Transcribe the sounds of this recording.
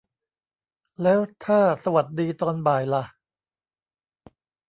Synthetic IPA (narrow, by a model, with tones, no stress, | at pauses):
lɛː˦˥wt̪ʰaː˥˩sa˧wa˨˩t̪̚diː˧t̪ɔː˧nbaː˨˩jla˨˩